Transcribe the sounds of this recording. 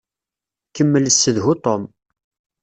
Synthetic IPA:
kəmːələsːəðɦut̪ˤɔm

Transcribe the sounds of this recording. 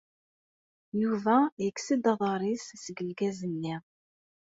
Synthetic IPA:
juvæjəksid̪ɑðˤɑɾˤissəɡəlɡæzənːiʁ

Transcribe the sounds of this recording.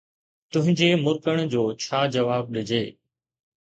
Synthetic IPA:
t̪ʊ̃ɦɪ̃ɲd͡ʑemʊɾkəɽ̃d͡ʑoːt͡ɕʰaːd͡ʑɐʋaːb̚ɗɪd͡ʑeː

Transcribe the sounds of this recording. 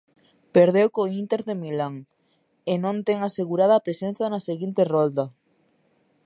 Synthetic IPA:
peɾðewkoint̪eɾðemilaŋ | enõnt̪eŋaseɣuɾaðapɾesẽn̟θjanaseɣint̪erold̪a

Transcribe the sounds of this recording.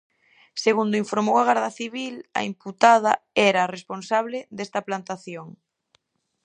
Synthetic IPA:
seɣund̪oiɱfoɾmowɐɣ̞aɾðɐθiβilɐ̰imput̪að̞ɐɛɾɐresponsaβleðest̪ɐplant̪aθjoŋ

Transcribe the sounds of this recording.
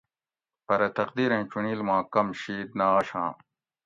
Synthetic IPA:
pɐɾɐt̪ɐqd̪iːɾẽt͡ɕuniːlmãːkɐmɕiːd̪̚naːɐɕã̰ː

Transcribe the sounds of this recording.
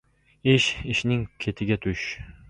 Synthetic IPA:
ɪʃɪʃnɪŋkʲʰet̪ʰɪɡʲat̪ʰʊʃ

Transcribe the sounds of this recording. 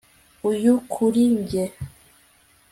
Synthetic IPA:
ujukʰuɾiɲɟe

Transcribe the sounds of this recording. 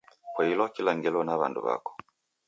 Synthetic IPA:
kwailɔkilaŋɡɛlɔnaβa̰ndṵβa̰kɔ̥

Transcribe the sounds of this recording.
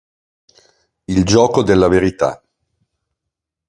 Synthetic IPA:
ild͡ʒɔːkod̪elːaveɾit̪a̰

